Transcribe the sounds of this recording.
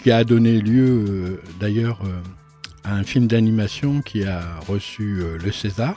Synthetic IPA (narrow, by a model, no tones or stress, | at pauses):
kʲiad̪ɔneljøød̪ajœːʁø | aɛ̃filmd̪animasjɔ̃kʲʰiaʁəsyøləsezaːʁ